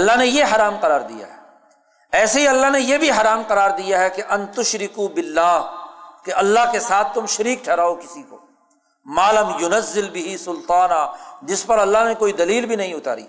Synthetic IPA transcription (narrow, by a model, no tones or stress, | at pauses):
ɐlːaɦnejeɦɐɾaːmqɐɾaːɾd̪ḭja̰ɦɛː | ɛːseɦiɐlːaɦnejebʱiɦɐɾaːmqɐɾaːɾd̪ijaɦɛkeʔɐ̃nt̪ʊʃɾɪkuːbɪlːaːɦkeɐlːaɦkesaːt̪̚ʰt̪ʊmʃɐɾiːkʈʰɛːɾaːokɪsiko̰ː | maːlɐmjʊnɐzːɪlbɪɦisʊlt̪aːnaːd͡ʒɪspɐɾɐlːaɦnekoːid̪ɐliːlbʱinɐɦĩʊt̪a̰ːɾḭː